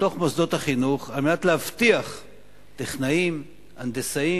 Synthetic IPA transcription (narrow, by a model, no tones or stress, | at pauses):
t̪o̞χmosd̪o̞t̪haχinuχalmeat̪leavt̪iaχ | t̪eχnaim | and̪esai